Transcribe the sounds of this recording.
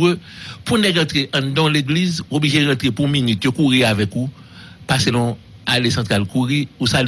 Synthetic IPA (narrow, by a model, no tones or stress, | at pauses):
øpũnɛɡɐ̃t̪ʁeʔɐ̃d̪ɔ̃leɡlizobliʒeɣɐ̃t̪ʁepũminyt̪jokuʁiavɛku | paselɔ̃ | alesɐ̃t̪ʁalkuʁiusal